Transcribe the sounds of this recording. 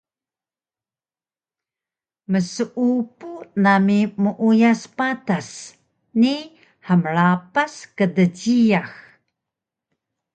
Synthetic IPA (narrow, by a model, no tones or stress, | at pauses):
məsəʔupunamimuʔujaspatas | ni | ħəmɭapaskədəɟijax